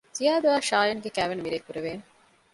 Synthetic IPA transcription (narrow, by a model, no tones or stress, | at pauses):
zijaːd̪uæːʃaːjɐŋɡekæːʋenumiɾeːkuɾeʋeːn